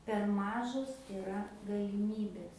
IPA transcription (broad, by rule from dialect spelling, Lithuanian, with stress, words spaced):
pʲɛr ˈmɑːʒoːs ɪˈrɐ ɡɐlʲɪˈmʲiːbʲeːs